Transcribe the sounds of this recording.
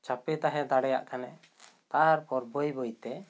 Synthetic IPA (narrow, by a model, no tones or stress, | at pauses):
t͡ʃapɛt̪aɦɛd̪aɽɛja̰ʔkanɛ | t̪aɾpɔɾbojbojt̪ɛ